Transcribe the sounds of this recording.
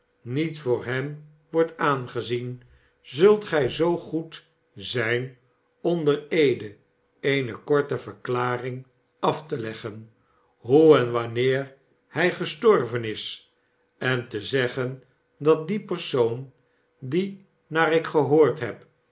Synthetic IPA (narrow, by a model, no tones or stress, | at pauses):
nitfʊːɹɦɛm | ʋɔɹtaːnχəzin | zɵlˠtχɛjzowχut | zɛjn | ɔndəɹejdə | ejnəkɔɹtəvəɹklaːrɪŋ | ɑftəlɛχən | ɦuɛnʋɑnɪːɹ | hɛjχəstɔɹvənɪs | ɛntəzɛχən | dɑt̚dipərsown | di | naːɾɪkχəɦoːɹtɦɛp